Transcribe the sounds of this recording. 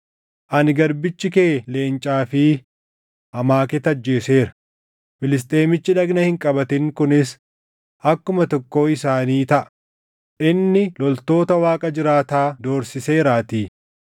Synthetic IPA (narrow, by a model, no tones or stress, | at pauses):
ʔɐnɡɐɾbɪt͡ʃːɪkeːle̞ːnt͡ʃʼaːfɪ | ʔɐmaːkɛt̪ɐd͡ʒːe̞ːse̞ːɾɐ̥ | fɪlɪs̬t̪ʼe̞ːmɪt͡ʃːɪᶑɐɡnɐhɪŋkʼɐbɐt̪ɪŋkʊnɪs | ʔɐkːʊmɐt̪ɔkːo̞ːɪsaːniːt̪ɐʔɐ̥ | ʔɪnːɪlɔlt̪o̞ːt̪ɐwaːkʼɐd͡ʒɪɾaːt̪aːd̪o̞ːɾsɪse̞ːɾaːt̪iː